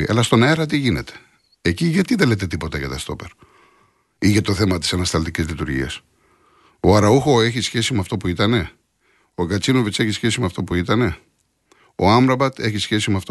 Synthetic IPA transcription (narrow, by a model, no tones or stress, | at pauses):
ɐ̰lɐst̪o̞neɾɐt̪̬iʝine̞t̪e̥ | eciʝɐt̪iðelet̪e̞t̪ipo̞t̪ɐkɐt̪ɐst̪o̞peɾ | iʝɐt̪o̞θe̞mɐt̪i̥sɐnɐst̪ɐlt̪icizlit̪uɾʝḭɐ̰s | o̞ɐɾɐuxo̞e̞çisçe̞simeɐft̪o̞puit̪ɐne̞ | oɡɐt͡sino̞vit͡se̞çisçe̞simeɐft̪o̞puit̪ɐne̞ | oɐmɾɐbɐt̪e̞çisçe̞simeɐft̪o